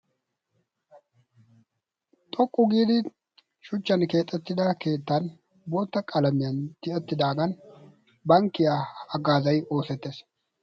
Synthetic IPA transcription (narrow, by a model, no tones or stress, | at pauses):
t̪ʼɔkʼːʊɡiːd̪ɪ | ʃʊt͡ʃːɐnke̞ːt̪ʼːɛt̪ːɪd̪ɐke̞ːt̪ːɐn | boːt̪ːɐkʼɐlɐmɪjɐnt̪ɪɛt̪ːɪd̪aːɡɐn | bɐŋkːɪjaɐɡaːzɐjo̞ːsɛt̪ːeːs